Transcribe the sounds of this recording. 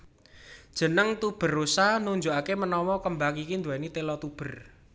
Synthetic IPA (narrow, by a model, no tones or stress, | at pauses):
d̥ʒ̥ə̤nəŋt̪ub̥ə̤rusanuɲd͡ʒuʔakemənɔwɔkəmbakikind̪uanit̪elɔt̪ub̥ə̤r